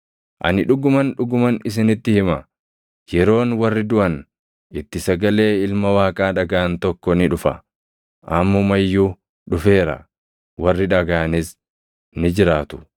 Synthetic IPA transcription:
ʔɐ̰nɪᶑʊɡʊmɐnᶑʊɡʊmɐnɪs̬ɪnɪt̪ːɪhɪmɐ | jɛɾo̞ːnwɐrːɪd̪ʊʔɐn | ɪt̪ːɪsɐɡɐle̞ːɪlmɐwaːkʼaːᶑɐɡaːnt̪ɔkːɔnɪᶑʊfɐ̰ | ʔɐmːɔmɐjːuː | ᶑʊfe̞ːɾɐ̰ | wɐrːɪᶑɐɡaːnɪs | nɪd͡ʒɪɾaːt̪ʊ̥

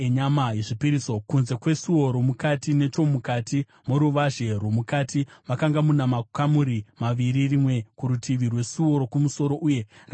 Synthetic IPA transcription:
eɲamajeʐipiɾiso̞kunze̞kwe̞suo̞ɾo̞mukatine̞t͡ʃo̞mukatʰi | moɾuʋaʒe̞rwomukatiʋakaŋɡamunamakamuɾimaʋiɾirimwe̞kuɾutʰiʋirwe̞suo̞ɾo̞kumuso̞ɾo̞ʔuːje̞ra

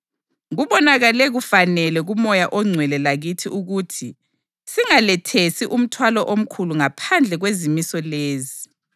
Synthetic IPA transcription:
ɣuβɔnaɣalɛɣufanɛlɛɣumɔjaʔɔŋ͡ǀʱwɛlɛlaɣitʰiʔuɣutʰi | siŋalɛtʰesiʔum̩tʰwalɔʔom̩kʰuluŋapʰand͡ɮʱɛɣwezimisɔleːzi

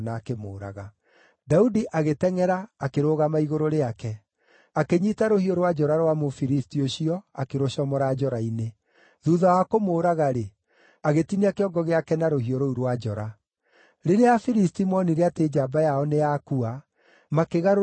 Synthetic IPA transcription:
naːkemoːɾa̰ɣa | daudiʔaɣetɛŋɛɾaːkeɾoːɣamaiɣoɾoɾeakɛ | akeɲitaɾohioɾwad͡ʒɔɾaɾwamofiɾistioɕiɔakeɾoɕɔmɔɾad͡ʒɔɾaine | ðuːðawakomoːɾaɣaɾe | aɣetiniakeɔɡɔɣeakɛnaɾoɦioɾouɾwad͡ʒɔɾa | ɾeɾeafiɾistimɔniɾeateːd͡ʒabajaɔneakua | makeɣaɾ

